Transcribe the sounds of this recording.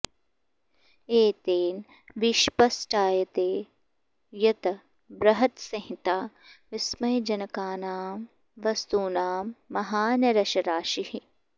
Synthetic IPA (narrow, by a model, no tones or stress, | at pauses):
eːt̪eːn | ʋiʃpɐsʈaːjɐt̪eː | jɐt̪ɐ | bɾɐɦɐt̪sɐɦɪ̃t̪aː | ʋɪsmɐjd͡ʒɐnkaːnaːm | ʋɐst̪uːnaːmːɐɦaːnɐɾɐʃɐɾaːʃiɦi